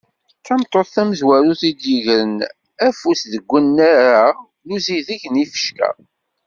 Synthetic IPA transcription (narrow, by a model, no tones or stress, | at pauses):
θæmt̪ˤːoθθæməzwæɾuθid̪jəʝɾən | æfusðəɡʷːənːæɾa | luziðiʝnifə̥ʃkæ̰